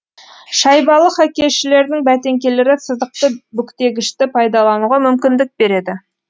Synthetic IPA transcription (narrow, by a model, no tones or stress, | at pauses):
ʃɑjbɑlˠəχɑkʲe̞ʃɪle̞ɾd̪ɪŋbæt̪e̞ŋkʲe̞le̞ɾɪsəzd̪əq̚t̪əbʏkt̪e̞ɡʲɪʃt̪ɪpʰɑjd̪ɑlˠɑnuʁɑmʏmkʲɪnd̪ɪk̚be̞ɾe̞d̪ɪ